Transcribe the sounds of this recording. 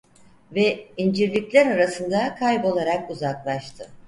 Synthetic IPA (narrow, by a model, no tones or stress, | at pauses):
vɛind͡ʒiɾlʲiclʲæɾaɾasɯnd̪akʰajbo̞lˠaɾakuzaklˠaʃt̪ʰɯ